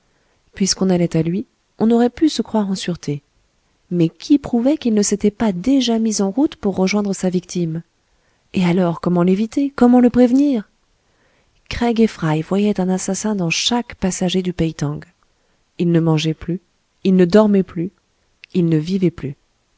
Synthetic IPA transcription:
pɥiskɔ̃nalɛt̪alɥi | ɔ̃nɔʁɛpysəkχwaʁɑ̃syʁt̪ʰe | mɛkʲʰipχuvɛkilnəset̪ɛpad̪eʒamizɑ̃ʁut̪puʁːəʒwɛ̃d̪ʁəsavikt̪ʰim | ealɔʁkɔmɑ̃levit̪ekɔmɑ̃ləpχevniːʁ | kχɛɡefχajvwajɛt̪ɛ̃nasasɛ̃d̪ɑ̃ʃakpasaʒed̪ypɛjt̪ɑ̃ɡ | ilnəmɑ̃ʒɛply | ilnəd̪ɔʁmɛply | ilnəvivɛply

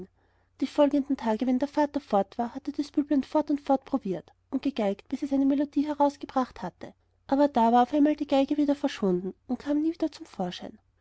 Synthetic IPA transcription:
d̥iːfɔlɡəndn̩tʰaːɡəvɛndeːɐfaːtɐfɔɐtv̥aːɐhatəd̥asb̥yːblantfɔɐtʊntfɔɐt̚pʁ̥ob̥iːɐt | ʔʊntɡ̥əɡ̥aɪkt̚b̥ɪsɛsaɪnəmelodiːɦɛʁaʊsɡ̥əbʁ̥aχthatʰə | ʔaːbɐdaːvaːɐaʊfaɪnmaːldiːɡ̥aɪɡəviːdɐfɛɐʃv̥ʊndn̩ʊntkʰaːmniːviːdɐt͡sʊmfoːɐʃaɪn

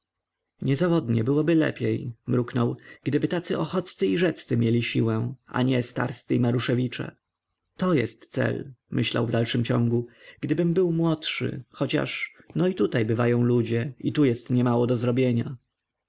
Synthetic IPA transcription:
ɲɛzavɔd̪ɲɛbɘwɔbɘlɛ̰pʲjejmɾuknɔwɡ̥d̪ɘbɘt̪at̪sɘʔɔxɔt̪st̪sɘiʐɛt̪st̪sɘmʲjelʲiɕiwɛ̃ʔa̰ɲɛst̪a̰ɾst̪sɘimaɾuʂɛvʲit͡ʂɛ̰ | t̪ɔjɛst̪sɛ̰lmɘɕla̰wvd̪alʂɘmt͡ɕɔŋɡuɡ̥d̪ɘbɘmbɘwmwɔtʂɘ̰xɔt͡ɕa̰ʂnɔit̪ut̪ajbɘvajɔ̃w̃lud͡ʑɛit̪ujɛst̪ɲɛmawɔd̪ɔzɾɔbʲjeɲa

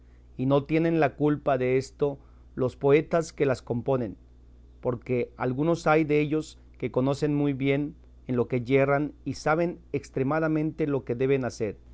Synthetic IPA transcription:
ino̞t̪je̞ne̞nlakulpaðe̞e̞st̪o̞ | lo̞spo̞e̞t̪aske̞lasko̞mpo̞ne̞n | po̞ɾke̞alɣuno̞sajðeeʝo̞s | ke̞ko̞no̞se̞nmujβje̞n | enlo̞ke̞ʝe̞ranisaβ̞e̞nekst̪ɾe̞maðamẽ̞nt̪e̞lo̞ke̞ðe̞βe̞nase̞ɾ

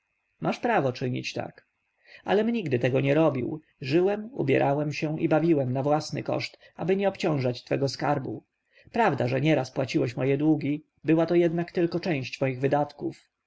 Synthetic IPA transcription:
mʔaʂpɾavɔt͡ʂɘɲḭt͡ɕt̪a̰k | a̰lɛmɲiɡd̪ɘt̪ɛɡɔɲɛɾɔbʲḭw | ʐɘwɛmṵbʲjɛ̰ɾʔawɛmɕɛ̃ʔibavʲiwɛmnavwasnɘ̰kɔ̰ʂt̪ | abɘɲɛɔpt͡ɕɔ̃w̃ʐat͡ɕt̪fɛɡɔskaɾbṵ | pɾavd̪aʐɛɲɛɾaspwat͡ɕiwɛɕmɔjɛd̪wuɡʲi | bɘwat̪ɔjɛd̪nakt̪ɘlkɔt͡ʂɛ̃w̃ɕt͡ɕmɔjiɣvɘd̪at̪kuf

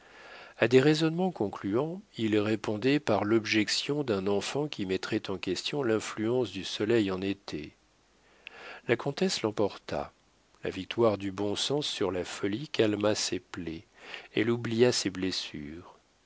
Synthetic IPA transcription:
ad̪eʁezɔnmɑ̃kɔ̃klyɑ̃ilʁepɔ̃d̪ɛpaʁlɔbʒɛksjɔ̃d̪ɛ̃nɑ̃fɑ̃kʲimɛt̪χɛt̪ɑ̃kʲɛst̪jɔ̃lɛ̃flyɑ̃sd̪ysɔlɛjɑ̃net̪ʰḛ | lakɔ̃t̪ɛslɑ̃pɔʁt̪a̰ | la̰vik̚t̪waʁd̪ybɔ̃sɑ̃sːyʁlafɔlikalmasepleɛ̰lublijaseblesyːʁ

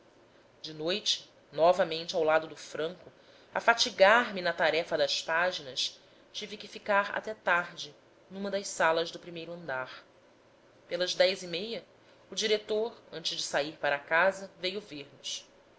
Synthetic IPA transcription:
d͡ʒɪnojt͡ʃɪ̥ | nɔvɐmẽnt͡ʃɪawlad̪ʊd̪ʊfɾɐ̃ŋkʊ | a̰fat͡ʃiɡaɾmɪnɐt̪aɾɛfɐd̪ɐspaʒinɐs | t͡ʃivikɪfikaɾa̰t̪ɛt̪aɦd͡ʒɪ | nũmɐd̪ɐʃsalɐʒd̪ʊpɾimejɾʊɐ̃nd̪aɾ | pelɐzd̪ɛjzimejɐ | ud͡ʒiɾet̪oɾɐ̃nt͡ʃɪzd͡ʒɪsaiɾpaɾɐkazɐvejʊveɾnʊs

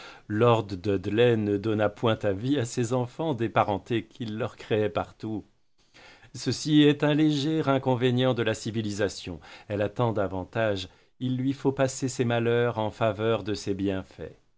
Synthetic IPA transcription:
lɔʁd̪ːəd̪lɛnəd̪ɔnapwɛ̃t̪aviasezɑ̃fɑ̃d̪epaʁɑ̃t̪ekʰilːœʁkχeɛpaʁt̪u | səsiɛt̪ɛ̃leʒɛʁɛ̃kɔ̃veɲjɑ̃d̪əlasivilizasjɔ̰̃ɛlat̪ɑ̃d̪avɑ̃t̪aʒ | ilːɥifopasesemalœʁɑ̃favœʁd̪əsebjɛ̃fɛ̰

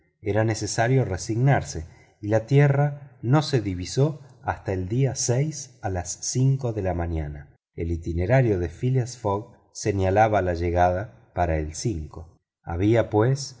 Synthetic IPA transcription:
eɾanesesaɾjoresiɣnaɾse | ilat̪jerano̞se̞ðiβisoast̪aeld̪iasɛjsalasːiŋko̞ðe̞lamaɲana | elit̪ineɾaɾjo̞ðefiliasfoɣ | senjalaβalaʒeɣað̞a | paɾaelsiŋko̞ | a̰βiapwes

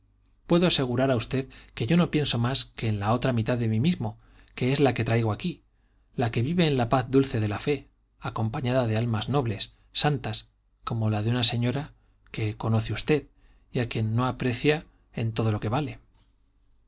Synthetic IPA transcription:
pwe̞ðoase̞ɣ̞uɾaɾaust̪e̞ðke̞ʝo̞no̞pje̞nso̞maske̞ːnlao̞t̪ɾamit̪aðe̞mimizmo̞ | ke̞e̞zlake̞t̪ɾajɣ̞o̞aki | lake̞βiβe̞ːnlapaθd̪ulθe̞ðe̞lafe̞ | ako̞mpaɲaðaðe̞almazno̞βle̞sː | ant̪as | ko̞mo̞laðeunase̞ɲo̞ɾa | ke̞ko̞no̞θeust̪e̞ð | iakje̞nːo̞apɾe̞θja | e̞nt̪o̞ð̞o̞lo̞ke̞βale̞

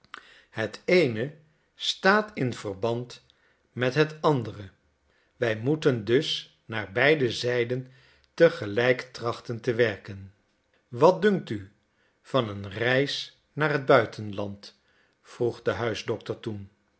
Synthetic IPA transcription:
hətejnə | staːtɪnv̥ərbɑnt | mɛtɦətɑndərə | ʋɛjmutəndɵs | naːɹbɛjdəzɛjdən | təχəlɛjktrɑχtəntəʋɛɹkən | ʋɑt̚dɵŋk̚ty | v̥ɑnənrɛjs | naːɹɦəd̚bœɥtʰənlɑnt | fruχdəɦœɥzdɔktəɹtun

